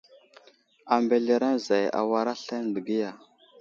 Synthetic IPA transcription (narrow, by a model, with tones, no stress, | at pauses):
a˨mbe˨ɮe˨ɾa˦nza˨ja̰˨wa˦ɾa˦ɬa˦n˨də˨ɡi˦ja˨